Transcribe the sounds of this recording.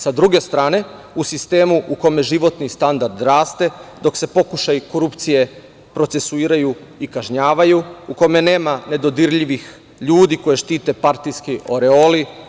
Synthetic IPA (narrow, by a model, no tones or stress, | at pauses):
sad̪ɾuɡe̞st̪ɾaːne̞ | usist̪e̞ːmuuko̞me̞ʒiʋo̞t̪nist̪and̪aɾd̪ɾaːst̪e̞d̪o̞kse̞po̞kuʃajko̞ɾupt̪sije̞ | pɾo̞t̪se̞suiːɾajuikaʒɲaːʋajuuko̞me̞ne̞ːmane̞d̪o̞d̪iɾʎiʋix | ʎuːd̪iko̞jeʃt̪iːt̪e̞paɾt̪ijskio̞ɾeoli